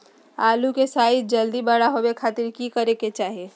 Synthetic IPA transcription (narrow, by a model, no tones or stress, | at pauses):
aːlukesaːɪt̪̚d͡ʒəld̪ibəɽaɦobekʰaːt̪ɪɾkikəɾeket͡ʃaːɦe